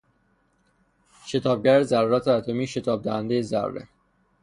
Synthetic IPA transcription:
ʃe̞t̪ʰɒːb̚ɟæɾezæɾuːɾæt̪ʰeæt̪ʰo̞miːʃe̞t̪ʰɒːb̚d̪æhænd̪ejezæ̰ɾrːḛ

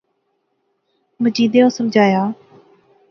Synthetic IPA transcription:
məd͡ʒiːd̪eːoːsəmd͡ʒʱaːjaː

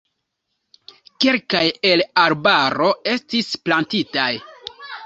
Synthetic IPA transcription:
kelkaje̞laɾbaɾo̞e̞stisplantitaj

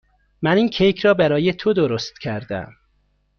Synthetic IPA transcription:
mæniːnkʰejcʰɾɒːbæɾɒːjet̪ʰod̪oɾost̪cʰæɾd̪æ̰m

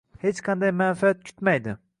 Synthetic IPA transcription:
het͡ʃqʰɑnd̪ɑjmanfaat̪̚kʲʰy̥t̪majd̪ɪ

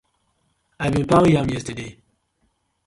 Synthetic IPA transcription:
aɪbĩnpajãmjɛstəde

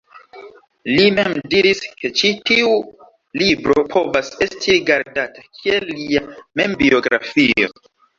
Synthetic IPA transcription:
limemdiɾiske̞t͡ʃitiu | libɾo̞pʰo̞vase̞stʰiɾiɡaɾdatakʰielːiame̞mbio̞ɡɾa̰fio̞̰

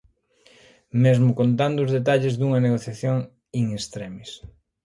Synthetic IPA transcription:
mezmʊkont̪and̪ʊuːzðet̪̬aʎɪzðuŋɐneɣoθjaθjoŋ | iŋest̪ɾemis

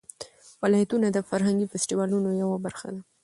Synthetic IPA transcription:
wɪlɑjat̪unad̪əfaɾɦaŋɡifesʈiwɑlunojawabaɾxa̰d̪a

